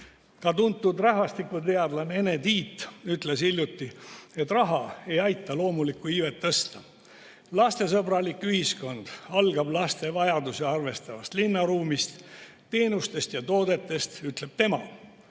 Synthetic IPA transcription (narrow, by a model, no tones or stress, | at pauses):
kɑt̪unt̪ːˑud̪rɑɦvɑst̪ikːut̪e̞ɑd̪lɑne̞ne̞t̪iːt̪ːyt̪le̞silʲjut̪ːie̞t̪ːrɑɦɑe̞jɑjt̪ːˑɑlo̞ːmulikˑːuiːvet̪ːɤst̪ɑ | lɑst̪e̞sɤbɾɑlikːyhisko̞nd̪̥ɑlɡ̥ɑblɑst̪e̞vɑjɑd̪useɑrve̞st̪ɑvɑst̪linːɑɾuːmist̪ | t̪e̞ːnust̪e̞st̪jɑt̪o̞ːd̪e̞t̪ːˑe̞st̪yt̪le̞b̥̚t̪e̞mɑ